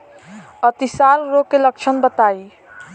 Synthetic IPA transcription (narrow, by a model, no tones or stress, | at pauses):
ət̪isalɾokːelək̚t͡ʃʰənbət̪aj